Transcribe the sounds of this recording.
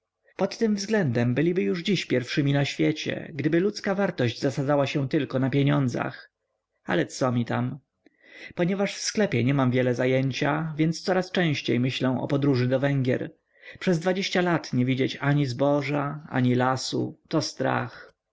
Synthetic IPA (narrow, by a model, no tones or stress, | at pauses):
pɔt̪ːɘmvzɡlɛnd̪ɛmbɘlʲibɘjuʐd͡ʑiɕpʲjɛɾfʂɘmʲinaɕfʲjɛt͡ɕɛ̰ɡd̪ɘbɘlut̪skavaɾt̪ɔʑd͡ʑzasad̪zawaɕɛ̃t̪ɘlkɔnapʲjeɲɔnd̪za̰x | a̰lɛt̪sɔmʲit̪a̰m | pɔɲɛvaʂfsklɛpʲjɛɲɛmamvʲjɛlɛzajɛɲt͡ɕavʲjɛnt̪st̪sɔɾast͡ʂɛ̃ɕt͡ɕejmɘɕlɛw̃ɔ̰pɔd̪ɾuʐɘd̪ɔvɛŋɡʲjɛ̰ɾ | pʂɛzd̪vad͡ʑeɕt͡ɕalat̪ɲɛvʲid͡ʑet͡ɕaɲizbɔʐaa̰ɲilasṵt̪ɔst̪ɾa̰x